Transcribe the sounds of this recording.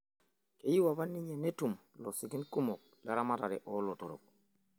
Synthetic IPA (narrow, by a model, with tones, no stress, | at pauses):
ke˨ji˦wa˨βa˦nːi˦ɲe˨ne˦tu˨m | lɔ˨si˨ɡi˦nku˦mɔ˨k̚la˨ɾa˦ma˦ta˨ɾɛ˨ʔɔ˦lɔ˨to˨ɾɔ̰˨k̚